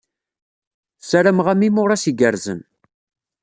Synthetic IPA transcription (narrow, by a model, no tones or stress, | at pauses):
saɾæmʁæmimʊɾˤɑsiɡəɾzə̰m